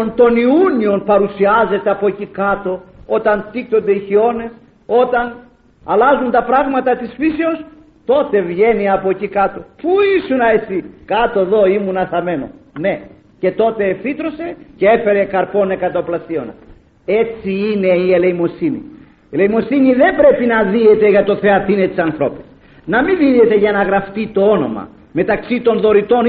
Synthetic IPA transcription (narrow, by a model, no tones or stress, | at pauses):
ont̪o̞niunio̞npɐɾusiɐze̞t̪eɐpo̞cikɐt̪o̞o̞t̪ɐnt̪ikt̪o̞nd̪eiçio̞ne̞s | o̞t̪ɐn | ɐlɐzunt̪ɐpɾɐɣmɐt̪ɐt̪isfiseos | t̪o̞t̪e̞vʝe̞niɐpo̞cikɐt̪o̞puisunɐesikat̪o̞eðo̞imunɐθɐme̞no̞̰ne̞ | ce̞t̪o̞t̪e̞ːfit̪ɾose̞cee̞fe̞ɾe̞kɐɾpo̞ne̞kɐt̪ɐoplɐsio̞nɐ̰ | e̞t͡siine̞iele̞imo̞sinḭ | eleimo̞siniðe̞mbɾe̞pinɐðiet̪eʝɐt̪o̞θe̞ɐt̪ine̞t̪isɐnθɾo̞pi̥s | nɐmiðiðet̪e̞ʝɐnɐɣɾɐft̪it̪o̞ono̞̰mɐ̰ | me̞t̪ɐksit̪o̞nðo̞ɾit̪o̞n